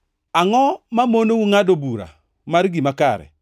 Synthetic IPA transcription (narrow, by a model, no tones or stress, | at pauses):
aŋɔmamonowuŋadobuɾa̰ | maɾiɡimakaɾɛ̰